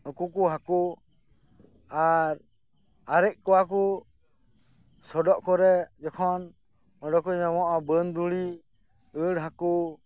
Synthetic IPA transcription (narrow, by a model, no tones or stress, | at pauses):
ɔkukuɦaku | aɾ | aɾɛʔ̚kuaku | sɔdɔʔkɔɾɛd͡ʒɔkʰɔn | ɔdɔkuɲamɔʔabənd̪uli | əlɦaku